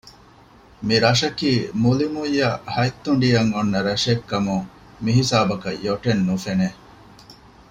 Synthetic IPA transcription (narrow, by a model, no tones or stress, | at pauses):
miɾɐʃɐkiːmulimujːɐhɐjt̪ːuɳɖijɐŋonːɐɾɐʂekːɐmuŋ | miɦisaːbɐkɐ̰joʈenːufene